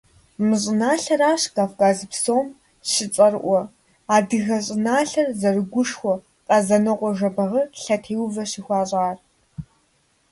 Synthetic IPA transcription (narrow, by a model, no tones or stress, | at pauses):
mɨɕʼɪnaːɬɐɾaːɕkaːfkaːzɨpsoːm | ɕɪt͡sʼɐrʔʷɔ | aːdɨɣɐɕʼɪnaːɬɐrzɐrɨɡʷʊʂxʷɔ | qʼɐzɐnɨqʷʼɔʒɐbɐʁɐrɬɐtʰeːwvɐɕiːxʷɑːɕʼaːr